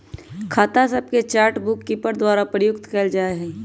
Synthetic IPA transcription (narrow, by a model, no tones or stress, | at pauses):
kʰaːt̪asəb̚ket͡ʃaːɾʈbʊkːipəɾd̪waːɾapɾəjʊkt̪kɛːld͡ʒaːeɦɛː